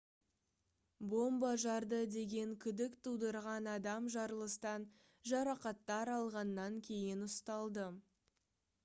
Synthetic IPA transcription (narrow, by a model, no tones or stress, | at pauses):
bo̞mbɑʒɑɾd̪əd̪e̞ɡʲe̞ŋkʲʰʏd̪ɪkt̪ʰud̪əɾʁɑnɑd̪ɑmʒɑɾlˠəst̪ɑn | ʒɑɾɑqɑt̪ːɑɾɑlˠʁɑnːɑŋkʲʰe̞jɪnʊst̪ɑlˠd̪ə